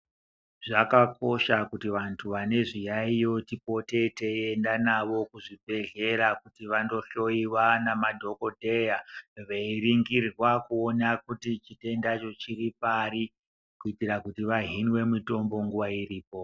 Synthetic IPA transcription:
ʐakako̞ʃakutiʋantʰuʋane̞ʐijaijo̞tipo̞te̞teendanaʋo̞kuʐibʱe̞ɮe̞ɾakutiʋando̞ɬo̞iwanamadʱo̞ko̞dʱe̞jaʋeiriŋɡirwakuo̞nakutit͡ʃite̞ndat͡ʃo̞t͡ʃiɾipaɾi | kuitirakutiʋaɦinwe̞mito̞mbo̞ŋɡuʋairiːpo̞

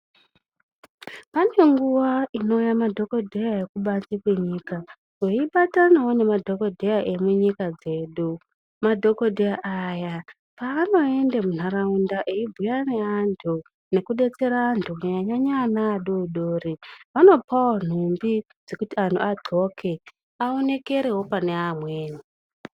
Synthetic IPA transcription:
pane̞ŋɡuʋaino̞ujamadʱo̞kodʱejaekuɓat͡sikwe̞ɲiːka | weiɓatanawone̞madʱo̞ko̞dʱejaʔe̞muɲikad͡ze̞ːɗu | madʱo̞kodʱejaʔaja | paːno̞e̞ndemun̤araundaʔeibʱujaneantʰu | ne̞kuɗe̞t͡se̞ɾaːntʰuaɲaɲaɲanaːɗouɗoːriʋano̞pʰawon̤umbi | d͡ze̞kutiantʰṵaǃʱo̞kʰe̞ | aone̞ke̞ɾe̞ɦo̞pane̞amweːni

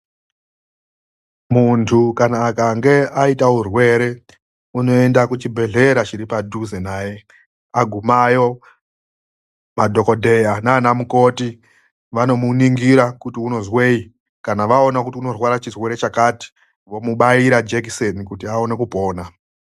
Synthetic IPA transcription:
muntʰukanaːkaŋɡe̞aitaɦurwe̞ɾe̞ | uno̞e̞ndakut͡ʃibʱe̞ɮe̞ɾat͡ʃiɾipadʱuzenaje̞ | aɡʱumajo̞ | madʱo̞ko̞dʱe̞jananamuko̞ti | ʋano̞muniŋɡiɾakutiuno̞zwe̞i | kanaʋao̞nakutiuno̞rwaɾat͡ʃirwe̞ɾe̞t͡ʃakaːti̥ | ʋo̞muɓaiɾad͡ʒekisenikutiao̞ne̞kupo̞ːna

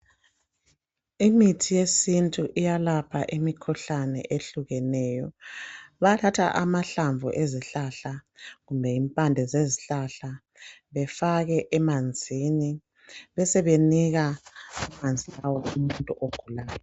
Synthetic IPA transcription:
imitʰijesintʼuʔijalapʰaʔimikʰuɬanɛ̰ʔeɬuɣɛnɛjɔ | βatʰatʰa̰ʔamaɬaɱvʱṵʔeziɬaɬaɣumbʱɛimpʼandʱɛzeziɬaɬa | βɛfaɣɛʔɛmand͡zʱini | βɛsɛβeniɣaumand͡zʱilawɔumuntʼuʔoɡ̥ʱulaːjɔ

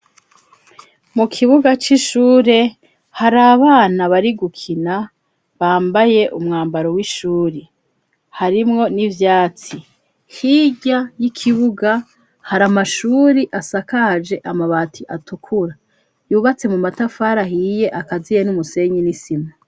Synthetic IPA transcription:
mukʰiβuɡat͡ʃiʃuːɾe̞ | haɾaːβaːnaβaɾiɡukʰina | βaːmbaje̞ʔumŋaːmbaɾo̞wiʃuːɾi | haɾimŋo̞nivjaːt͡si | hiɟajikʰiβuɡa | haɾamaʃuːɾiʔasakad͡ʒe̞ʔamaβatʰiʔatukʰuɾa | juːβat͡se̞mumatafaːɾahije̞ʔakazijenumuse̞ɲinisima

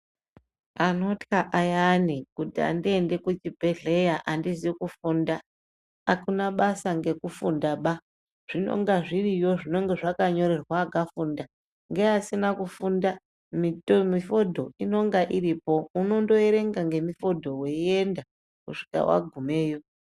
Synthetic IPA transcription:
ano̞tkaʔajanikutia̰ndie̞nde̞kut͡ʃibʱe̞ɮe̞jaʔandiziekufunda | akunaɓasaŋɡe̞kufundaɓa | ʐ̥ino̞̰ŋɡaʐirijo̞ʐino̞ŋɡe̞ʐakaɲo̞ɾe̞rwaːɡafunda | ŋɡe̞asinakufunda | mitomifo̞dʱo̞ino̞ŋɡaʔiɾipo̞uno̞ndo̞eɾe̞ŋɡaŋɡe̞mifo̞dʱo̞we̞ie̞nda | kuʂi̥ka̰wa̰ɡʱume̞ːjo̞

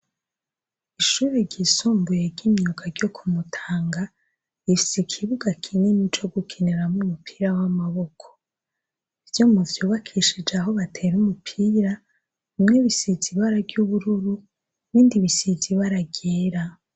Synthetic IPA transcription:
iʃuːɾeɾɟisuːmbujeɾɟiːmɲukaɾɟjo̞kʰumutʰaːŋɡa | ifi̥sekʰiβuɡakʰinimit͡ʃo̞ɡukʰineɾamumupʰiːɾawamaβo̞kʰo̥ | ivjo̞muvjuːβakʰiʃid͡ʒeaɦo̞βatʰe̞ːɾumupʰiːɾa | mŋeβisiziβaɾaɡjuβuɾuɾu | βiːndiβisiziβaɾaɡeːɾa

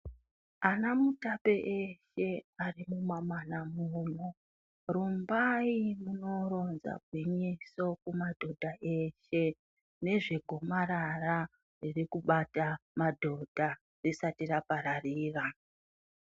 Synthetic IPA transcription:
anamutape̞ʔeʃe̞arimumamanamuːno | rumbaimuno̞ɾo̞nza̰bʱwiɲiso̞kumadʱo̞dʱaʔe̞ʃe̞ | ne̞ʐe̞ɡʱo̞maɾara | ririkuɓatamadʱo̞d̥ʱa | risatirapaɾariːra

